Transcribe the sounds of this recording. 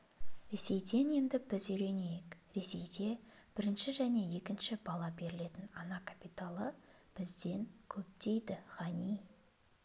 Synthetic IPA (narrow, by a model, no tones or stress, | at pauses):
ɾe̞se̞jd̪e̞ne̞nd̪ɪbɪzʏjɾe̞ne̞jɪkɾe̞se̞jd̪e̞b̥ɪɾɪnʃɪʒæne̞je̞kʲɪnʃɪbɑlˠɑbe̞ɾɪle̞t̪ɪnɑnɑkʰḁpit̪alˠə | b̥ɪzd̪e̞ŋkʲʰɵp̚t̪e̞jd̪ɪʁɑnij